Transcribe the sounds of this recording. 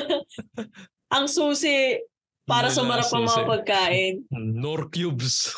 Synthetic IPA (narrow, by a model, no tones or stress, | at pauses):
ʔɐŋsuːsɪ | paːɾɐsɐmɐɾɐpɐŋmɐŋɐpɐɡ̚kaːʔɪnnoɾkjubs